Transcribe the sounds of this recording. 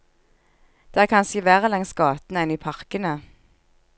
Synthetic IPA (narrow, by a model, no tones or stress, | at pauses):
d̪̥æːkʰɑnsəʋæːʁəlɛŋsɡɑːt̪n̩ɛniːpʰɑʁkənə